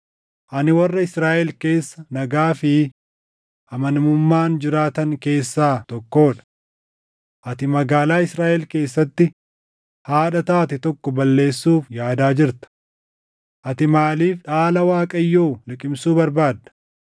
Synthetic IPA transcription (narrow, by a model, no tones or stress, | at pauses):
ʔɐnɪwɐrːɐɪsɾaːʔɛlke̞ːsːɐnɐɡaːfɪ | ʔɐmɐnmʊmːaːnd͡ʒɪɾaːt̪ɐŋke̞ːsːaːt̪ɔkːoːᶑɐ̥ | ʔɐt̪ɪmɐɡaːlaːɪsɾaːʔɛlke̞ːsːɐt̪ːɪ | haːᶑɐt̪aːt̪ɪt̪ɔkːɔbɐlːe̞ːsːuːfjaːd̪aːd͡ʒɪɾt̪ɐ̥ | ʔɐt̪ɪmaːliːfᶑaːlɐwaːkʼɐjːoːlɪkʼɪmsuːbɐɾbaːd̪ːɐ̥